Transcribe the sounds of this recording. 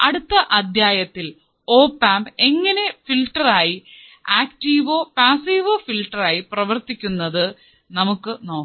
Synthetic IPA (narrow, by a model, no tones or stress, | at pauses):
ɐɽut̪ːɐʔɐd̪ʱjaːjɐt̪ːil | oːpaːmbe̞ŋːɐne̞filʈːɐraːjiaːkʈiːʋoːpaːsiːʋo̞ːfilʈːɐraːjiprɐʋɐrt̪ikʲːunːɐðɨ | nɐmukːɨno̞ː